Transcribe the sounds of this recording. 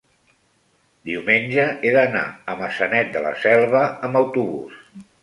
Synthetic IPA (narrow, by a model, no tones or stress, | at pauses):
d̪iwmenʲd͡ʒəʔeðəna̰əməsənɛt̪̚d̪ələ̰sɛlˠβəːmbəwt̪uβus